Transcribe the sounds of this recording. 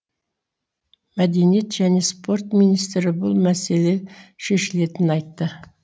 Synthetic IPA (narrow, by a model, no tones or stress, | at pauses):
mæd̪e̞nije̞t̪ʒæne̞spo̞rt̪mijnijst̪ɾɪbʊlˠmæse̞le̞ʃe̞ʃɪle̞t̪ɪnɑjt̪ːə